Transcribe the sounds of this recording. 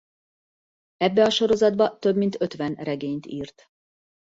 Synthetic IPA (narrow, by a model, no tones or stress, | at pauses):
ɛbːɛɒʃo̞ɾo̞zɒd̪̚bɒt̪øbmint̪ʰø̞t̪ʋɛnrɛɡeːɲt̪iːrt̪